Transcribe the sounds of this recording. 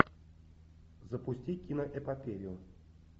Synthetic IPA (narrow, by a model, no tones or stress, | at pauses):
zəpʊsʲtʲikʲinəʔɛpapʲeɾʲɪjʊ